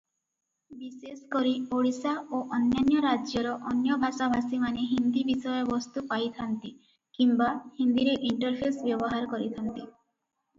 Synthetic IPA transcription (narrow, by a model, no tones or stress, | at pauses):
biseskoɾioɽisaʔoʔɔnjɔnjɔɾad͡ʒjɔɾɔʔɔnjɔbʱasabʱasimaneɦind̪ibisɔjɔbɔst̪upajt̪ʰant̪i | kimbahind̪iɾeʔiɳʈɔɾpʰesbjɔbɔɦaɾkɔɾit̪ʰant̪i